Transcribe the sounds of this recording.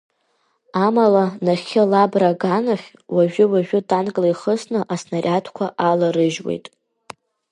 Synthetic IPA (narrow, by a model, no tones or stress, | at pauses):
amalanaχʲɪlabraɡanaχʲ | waʒᶣʊwaʒᶣʊdankʼlajχəsnɨʔasnarʲʔatʰkʷʰaʔalaɾɨʒwḛjtʼ